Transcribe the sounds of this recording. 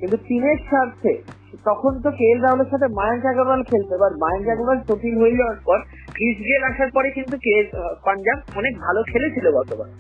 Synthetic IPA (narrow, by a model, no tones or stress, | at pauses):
kint̪ut̪ineɾʃʰaɾt̪ʰḛ | t̪ɔkʰont̪̬okelɾawleɾʃat̪ʰemajnkakɾobalkʰelt̪ebaɾmajnkakɾobalt̪ot̪ilɦoed͡ʑaaɾpɔɾ | ɡʰʱid͡ʑɡeɾaʃaɾpɔɾekint̪ukelpand͡ʑab̚ɔnek̚bʱalokʰelet͡ɕʰilobɔɾt̪oba̰n